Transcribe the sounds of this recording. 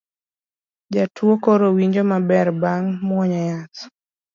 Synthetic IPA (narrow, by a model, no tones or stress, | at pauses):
d͡ʒatuokoɾowiɲd͡ʒomabɛɾbaŋmwɔɲajat